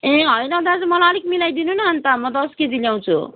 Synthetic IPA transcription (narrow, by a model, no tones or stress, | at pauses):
ẽɦʌjnʌd̪ad͡zʌmʌlʌɾikmilajd̪inunʌɦːnt̪amʌd̪ʌsked͡ziljaw̃t͡sʰṵ